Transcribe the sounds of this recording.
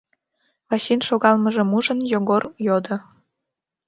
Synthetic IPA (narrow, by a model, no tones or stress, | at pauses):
βɑɕinʃoɣɑlməʒĕmuʒə̆njoɣorjod̪ɤ̆